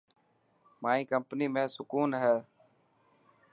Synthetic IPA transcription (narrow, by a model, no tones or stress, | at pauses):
maːĩːkəmpniːmẽːsʊkuːnɦɛː